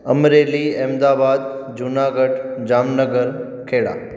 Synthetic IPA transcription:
əmɾeliɛːmd̪aːbaːd̪d͡ʒʊnaːɡəɖd͡ʒaːmnəɡəɾ | kʰeːɽa̰ː

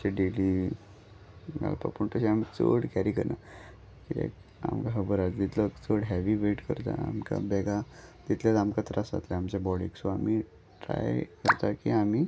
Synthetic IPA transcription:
seɖeli | ɡa̰lpa̰pəɳt̪əɕiam̤it͡so̰ɽkɛɾikəɾna | kit̪ḛ | a̰mkaɦəbəɾat͡sd̪it̪lɔkt͡soɽɦɛʋiʋeʈkəɾt̪a̰amka̰bɛɡad̪it̪ljat̪amkat̪ɾasa̰t̪lɛamt͡ɕabɔɽiksoam̤i | ʈɾa̰jkəɾt̪akiamiː

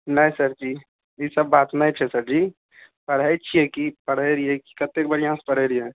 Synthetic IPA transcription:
nəɦĩsɐɾd͡ʒiː | esəbːaːt̪nɐɦĩt͡ʃʰɛsəɾd͡ʒiː | pəɽəjt͡ʃʰiɦɛkipɐɽeɾiɦɛki̥kɐt̪ːek̚bɐɾijãspɐɽeɾiɛ̃

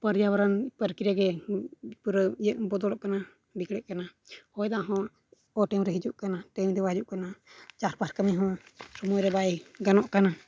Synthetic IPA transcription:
pəɾjawaɾanpəɾkiɾjaɡɛ | pɾəjəʔbɔd̪ɔlɔʔkana | bikɽɛʔ̚kana | hɔjd̪aʔɦɔ̃ | ɔʈɛmɾɛɦid͡ʒuʔkanaʈɛmd̪ɛbad͡ʒuʔkanat͡ʃaɾpaɾkəmiɦɔ̃sɔmɔjɾɛbajɡanɔʔkana

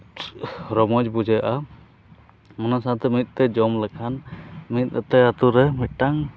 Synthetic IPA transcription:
ɾɔmɔd͡ʒbud͡ʒajaʔa | mɔnasat̪ɛmit̪̚ˀt̪ɛd͡ʒɔmlɛkʰanmit̪̚ˀat̪ɛat̪uɾɛmit̪̚ʈaŋ

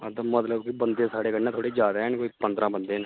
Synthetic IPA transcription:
əd̪mət̪ləbkɪbənd̪ẽːsaːɽeːkənːãt̪ʰoːɽeːd͡ʒaːd̪ɦɛːnkoːiːpənd̪ɾãːbənd̪eːn

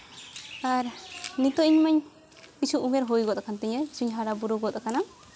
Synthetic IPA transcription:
aɾnit̪ɔʔiɲmaɲ | isuʔumɛɾɦojɡɔd̪ɔkʰant̪ɛɲɛisuɲɦaɽabuɾuɡɔd̪ɔkana

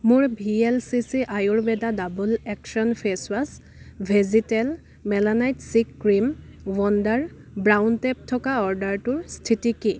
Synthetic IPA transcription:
mʊɹbʱiɛlsisiʔajʊɹbɛdadabulɛkʃɔnpʰeswas | bʱezitɛl | mɛlanajtsikːɹimwɔndaɹbɹawntɛp̚tʰɔkaɔɹdaɹtʊɹstʰitiki

